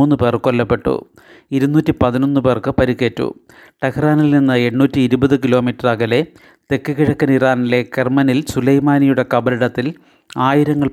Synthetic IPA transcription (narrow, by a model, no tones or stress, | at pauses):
uːnːɨpeːrkolːɐpːe̞ʈːṵ | iɾunːuːtːipɐðinonːɨpe̞rkɨpɐɾikːe̞ːtːṵ | ʈekraːnilninːɨe̞ɳːuːtːiːɾubɐðɨkilo̞ːmitːɐrɐɣɐle̞ | t̪e̞kːɨɣiɻɐkːɐniraːnile̞kermɐnilsulɐjmaːnijuɽe̞kɐbɐliɽɐt̪ːil | aːjiɾɐŋːɐɭ